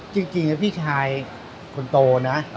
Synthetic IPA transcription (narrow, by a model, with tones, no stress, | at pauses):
t͡ɕi˧ŋt͡ɕi˧ŋna˦˥pʰiː˥˩t͡ɕʰaː˧j | kʰo˧nt̪oː˧na˦˥ʔ